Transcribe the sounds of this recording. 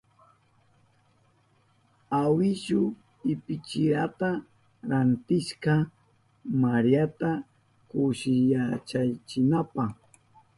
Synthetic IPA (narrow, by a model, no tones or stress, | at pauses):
awɪʃʊ | ɪpɪt͡ʃɪɾat̪a | ɾant̪ɪʃkɑ | maɾijat̪a | kʊʃɪjat͡ʃajt͡ʃɪnapɑχ